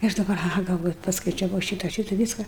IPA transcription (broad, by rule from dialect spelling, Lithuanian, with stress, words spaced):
ɪ ˈɐʃ dɐˈbɐr ɐˈɣɐ ɡɐlˠˈʋoːjʊ pɐskɐɪt͡ʃʲɛˈʋɐʊ ˈʃʲiːtɐ ˈʃʲiːtɐ ˈʋʲiːskɐ